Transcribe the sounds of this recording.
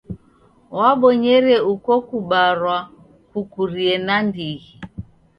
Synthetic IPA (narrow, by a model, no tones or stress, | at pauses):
waɓɔɲɛɾɛukɔkuɓaɾwa | kukuɾiɛnandiɣi